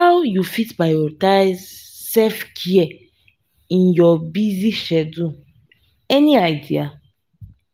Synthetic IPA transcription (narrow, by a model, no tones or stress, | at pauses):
hawjufitbajɔtajz | sɛfkʰiɛ | ĩnjɔbiziʃɛdũ | ɛniajdia